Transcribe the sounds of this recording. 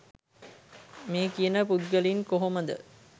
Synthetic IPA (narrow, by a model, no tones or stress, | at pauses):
meːkijənəpud̪̚ɡəlinkoɦoməd̪ə̰